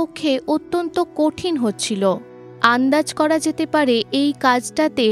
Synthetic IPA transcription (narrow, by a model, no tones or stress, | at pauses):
okʰːeʔot̪ːont̪okoʈʰinɦotːɕʰilo | and̪ad͡ʑkɔɾad͡ʑet̪epaɾeʔejkad͡ʑʈat̪e